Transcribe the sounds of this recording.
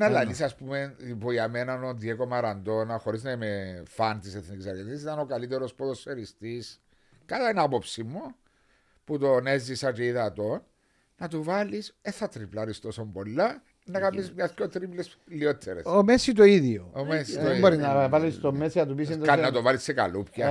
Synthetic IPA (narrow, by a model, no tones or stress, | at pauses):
nɐlːɐnisɐspumeipoiɐmenɐnoðiekomɐɾɐnd̪o̞nɐxoɾiznɐimefɐnt̪iseθnicisɐɾʝenis̬it̪ɐnokɐlit̪eɾospoðosːeɾist̪is | kɐlɐnapopsimːu | put̪onezːisɐceiðɐt̪o̞nː | ɐt̪uvɐlisenθɐt̪ɾiplɐɾist̪osombolːɐ | nːɐkɐmːizmɲɐskot̪ɾiples | liot̪ʰːeɾesomesit̪̬oiðjoomesit̪oiboɾiznɐvɐlist̪omesiɐt̪upisind̪kɐnnɐt̪ovɐlisːekɐ̰lupçɐ